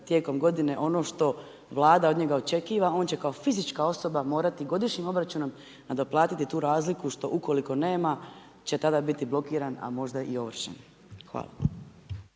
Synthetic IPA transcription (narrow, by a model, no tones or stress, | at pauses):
t̪je̞ːko̞mɡo̞d̪ine̞ʔo̞noʃt̪o̞ | ʋlˠaːd̪aod̪ɲe̞ɡaot͡ʃe̞kiːʋao̞ːnt͡ɕe̞kao̞fizit͡ʃkao̞so̞bamo̞ːɾat̪iɡo̞d̪iʃɲimo̞bɾat͡ʃuno̞m | nad̪oplˠaːt̪it̪it̪uːɾaːzlikuʃt̪o̞ʔuko̞liko̞ne̞ːma | t͡ɕe̞t̪ad̪abit̪iblo̞kiːɾana̰mo̞ʒd̪aʔio̞ʋr̩ʃḛn | xʋa̰ːla̰